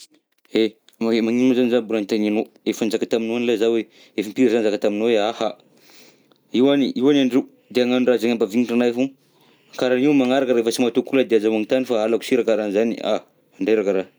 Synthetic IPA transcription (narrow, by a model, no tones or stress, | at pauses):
e | maemaŋinazanizabuɾanit̪anino | efand͡ʒakat̪aminuanlezawe | efimpiɾazanzakat̪aminoweaha | iwaniiwanaɳɖ͡ʐew | d̪eaŋanurazaŋambaviniʈ͡ʂanaefu | akaɾaniwmaŋaɾakəɾefəsimat̪ukulad̪eazawaŋit̪anifaalaku̥siɾakaɾanizania̰ | aɳɖ͡ʐeɾakəɾa